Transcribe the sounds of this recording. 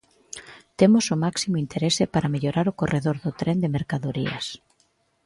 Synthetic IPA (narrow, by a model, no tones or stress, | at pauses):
t̪emʊsʊmaksimʊint̪ʰeɾesɪpaɾameʎoɾaɾʊkorʔeðoɾðʊt̪ɾend̪emeɾkaðoɾiɐ̰s